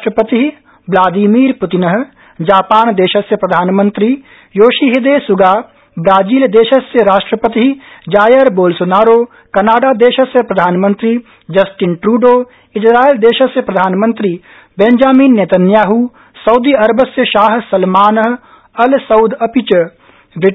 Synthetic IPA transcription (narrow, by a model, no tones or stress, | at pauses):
ʈɾəpət̪iɦ | blaːd̪imiːɾpʊt̪ɪnəɦ | d͡ʒaːpaːnd̪eːʃɐsjəpɾɐd̪ʱaːnmə̃nt̪ɾi | joːʃiɦid̪eːsʊɡaː | bɾaːd͡ʒiːld̪eːʃəsjəɾaːʃʈɾəpət̪iɦd͡ʒaːjəɾboːlsonaːɾoː | kɐnaːɖaːd̪eːʃəsjəpɾɐd̪ʱaːnmə̃nt̪ɾi | d͡ʒɐsʈɪnʈɾuːɖoː | ɪsɾaːeld̪eːʃəsjəpɾɐd̪ʱaːnmə̃nt̪ɾi | bẽnd͡ʒaːmiːnːeːt̪ənjaːɦu | sɐwd̪iɐɾbəsjəʃaːɦsɐlmaːnəɦ | ɐlsɐʊd̪ɐpɪt͡ʃ | ʋɪ